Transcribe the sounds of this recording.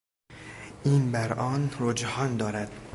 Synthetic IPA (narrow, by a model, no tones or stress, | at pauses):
ʔiːnbæɾɒːnɾod͡ʒhɒːnd̪ɒːɾæd̪̥